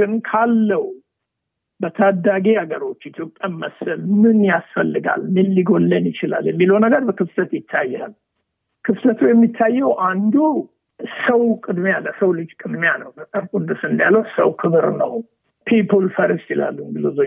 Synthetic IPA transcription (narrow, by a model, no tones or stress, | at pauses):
ɡɨnkʰalːəw | bət̪ʰad̪ːaɡehaɡəɾo̞t͡ʃːit̪ʰjo̞pʼːjaɪmːəsːɨlmɨnjasfəlːɨɡa̰lmɨnliɡo̞lːənjɪt͡ʃɪla̰ljɛmːiləwnəɡəɾbəkɨftət̪jɪt̪ʰːajːa̰l | kʰɨftət̪ʰujɛmːit̪ʰːajːɛwʔand̪u | səwkʼɨd̪mealːəsəwlɨd͡ʒkʼɨd̪manəwbət̪ʼəɾkʼud̪usɨnd̪aləwsə̰wkʰɨβɨɾnə̰w | pʰipʰulfəɾist͡ʃɪla̰lːuŋɡɨluzo